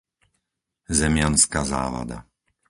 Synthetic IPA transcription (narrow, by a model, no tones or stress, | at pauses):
zɛmɪanskaza̰ːʋa̰d̪a̰